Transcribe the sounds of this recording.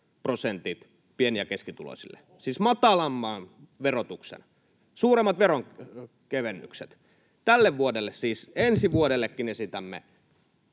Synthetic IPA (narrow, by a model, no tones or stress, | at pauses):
prosent̪it̪ | pieniækeskit̪ulo̰sḭlːḛ | siːsmɑt̪ɑlɑmːɑːnʋerot̪uksḛn | suːremːɑt̪ʋeroŋ | keʋenːy̰ksḛt̪ | t̪ælːeʋʋuodelːessiːsensiʋuodelːekːinesit̪æmːḛ